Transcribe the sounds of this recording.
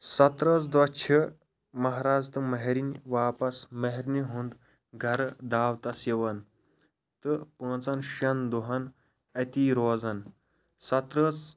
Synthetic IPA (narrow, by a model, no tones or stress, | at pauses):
sɐt̪ɾɐːzd̪ɐt͡ʃʰi | mɐɦɾaːd͡zt̪ɨmɐɦeɾinʲʋaːpɐsmɐɦeɾniɦund̪ | ɡʱɐɾd̪aːwt̪ɐsjɐʋɐn | t̪ɨpə̃ːt͡sɐnʃɐnd̪uɦɐn | ɐt̪iːɾoːzɐn | sɐt̪ɾəːt͡s